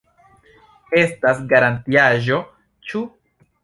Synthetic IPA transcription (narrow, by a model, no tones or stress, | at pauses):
e̞stas̬ɡaɾantiaʒo̞ | t͡ʃu